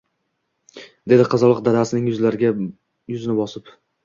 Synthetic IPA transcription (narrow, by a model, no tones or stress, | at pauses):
d̪e̞d̪ɪqʰɑzɒlˠɨq̚d̪ad̪asɪnɪŋjʊzlaɾɪɡʲa | jʊzɪnɪbɒsɪp